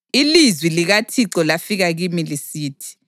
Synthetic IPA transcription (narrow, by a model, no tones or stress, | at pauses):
ilizwiliɣatʰiǀɔlafiɣaɣimilisiːtʰi̥